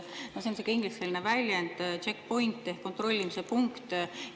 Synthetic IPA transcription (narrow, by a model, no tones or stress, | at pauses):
nosensekɑiŋɡ̥liselʲinevælʲjend̪̥t͡ʃekːpo̞jnt̪ːehkːo̞nt̪ro̞lʲːimisepuŋkt̪